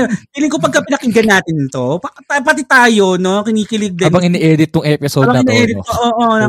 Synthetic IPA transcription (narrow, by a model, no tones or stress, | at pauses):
owiːlɪŋkopɐɡkɐpɪnɐkɪɡɐnaːt̪ɪnt̪o̞pɐkt̪apɐt̪ɪt̪aːjo̞no̞kɪniːkɪlɪɡ̚d̪ɐabɐŋʔɪnɛʔɛːd̪ɪt̪ːʊŋʔɛːpɪsobɐɐɪnɛʔɛːd̪ɪoʔoːʔo